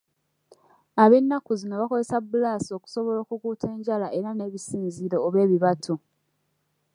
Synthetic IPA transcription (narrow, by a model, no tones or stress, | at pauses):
aβe̞nːakuzino̞βako̞ze̞sabːulaːsio̞ku̥so̞βo̞lo̞ːkukuːtʰe̞ːɲɟalaʔe̞ɾane̞βisiːnziɾo̞ːβe̞ːβiβatʰo